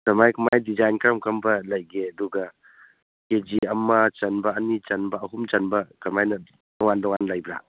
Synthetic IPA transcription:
kɐmajkɐmajdid͡ʒajnkʰɾɐmkʰɐmbɐlɐjɡeɐduɡɐ | ked͡ʒiɐmːɐt͡ʃɐnbɐːnit͡ʃɐnbɐːɦumt͡ʃɐnbɐkɐmajnɐ | dɔŋandɔŋanlajbɾa̰

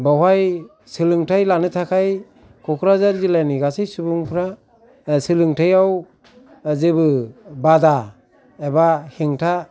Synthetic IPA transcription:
bawaj | sɯlɯŋtʰajlanɯtʰakʰaj | kʰɔkʰɾazaɾzilajniɡasijsubuŋpʰɾa | sɯlɯŋtʰajaw | zɯbɯbada | ebahiŋtʰa

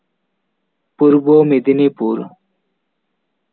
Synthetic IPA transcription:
puɾboːmid̪inipuːɾ

